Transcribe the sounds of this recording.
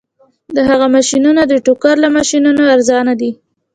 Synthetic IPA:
d̪əɦaɣamaʃinunod̪əʈokaɾlamaʃinunoaɾzɑnad̪i

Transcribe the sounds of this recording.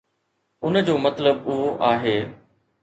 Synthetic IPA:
ʊnd͡ʑoːmɐt̪ləbuaːɦeː

